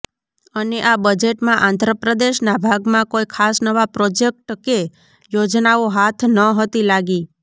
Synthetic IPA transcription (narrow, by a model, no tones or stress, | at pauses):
əneʔabəd͡ʒeʈmãʔãnd̪ʱɾəpɾəd̪eʃnabʱaɡmãkoikʰasnəʋapɾɔd͡ʒek̚ʈke | jod͡ʒnaoɦat̪ʰnəɦət̪ilaɡi